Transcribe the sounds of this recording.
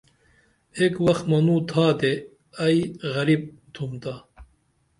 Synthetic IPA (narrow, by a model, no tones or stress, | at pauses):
ekwɐxt̪mɐnuːt̪ʰaːd̪e | ɐjɣɐɾib̚t̪ʰumt̪a